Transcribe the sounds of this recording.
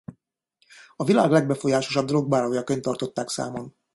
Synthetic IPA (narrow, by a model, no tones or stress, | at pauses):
ɒvila̰ːɡlɛɡ̚bɛfo̞jaːʃoʃɒb̚d̪olo̞ɡ̚baːɾɒɦojɒkøɲt̪ɒrt̪o̞t̪ːaːksa̰ːmo̞n